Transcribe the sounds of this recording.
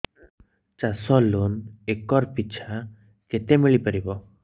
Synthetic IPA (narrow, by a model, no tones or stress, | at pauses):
t͡ʃasɔlunekːɔɾpit͡ʃʰa | ket̪emiɭipəɾibɔ